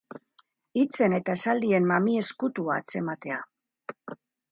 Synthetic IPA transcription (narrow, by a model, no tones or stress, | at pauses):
it͡se̞ne̞t̪aesald̪ie̞mmamie̞skut̪uaːt͡se̞mat̪e̞a